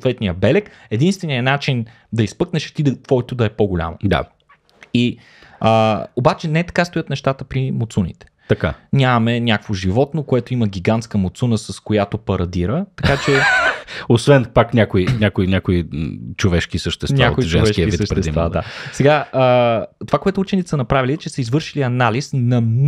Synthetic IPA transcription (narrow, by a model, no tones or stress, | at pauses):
sot̪vɛt̪nijəbɛlɛk | ɛd̪inst̪vɛniɐnat͡ʃin | d̪ɐispɤknɛʃt̪id̪t̪vɔɛt̪od̪ɐɛpoɡolʲa̰mo̰d̪a̰ | i | əobat͡ʃɛnɛɛt̪ɐ̥kast̪ojət̪nɛʃt̪at̪əpɾimot̪sunḭt̪ɛ̥ | t̪ɐka̰nʲamɐmɛnʲjakvoʒivɔt̪nokoɛt̪oiməɡʲiɡant̪skəmot̪sunəsɐskojat̪opɐɾɐd̪iɾət̪ɐ̥kkat͡ʃɛ | osvɛnpaknʲakoinʲjakoinʲakoit͡ʃovɛʃkisəʃt̪ɛsnʲa̰koiʒt͡ʃɛonvsɛʃkiəisviʃtpɾɛɛsḭvad̪a̰sɛɡaət̪ovakoɛt̪ʊut͡ʃɛnit̪ɛ̥sənɐpɾavilit͡ʃɛsəizvɤɾʃiliɐnalisnɐ